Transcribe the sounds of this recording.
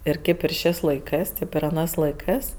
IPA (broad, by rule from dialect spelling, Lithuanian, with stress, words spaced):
ɪr ˈkʲeːp ɪr ˈʃʲeːsʲ lˠɐɪˈkɜs ˈtʲeːp ɪr ɐˈnɜs lˠɐɪˈkɜs